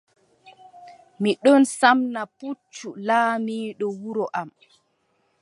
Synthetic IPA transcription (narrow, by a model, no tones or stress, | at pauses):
miɗɔnsamnaput͡ʃːulaːmiːɗɔwuɾɔʔam